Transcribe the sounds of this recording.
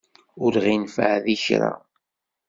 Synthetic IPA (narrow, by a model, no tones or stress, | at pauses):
ʊɾʁinfʕðiçɾa̰